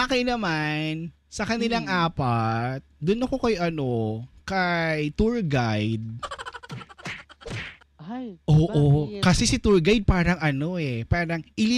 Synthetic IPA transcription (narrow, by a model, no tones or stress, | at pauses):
akɐjnɐman | sɐkɐnɪlaŋʔaːpɐt̪̚d̪ʊnːɐkokɐjʔɐno̞kɐjt̪uɹɡajd̪̚ | ʔoːʔokɐsɛsɪt̪uɹɡajd̪̚paːɾɐŋɐno̞ʔɛpaːɾɐŋʔɪli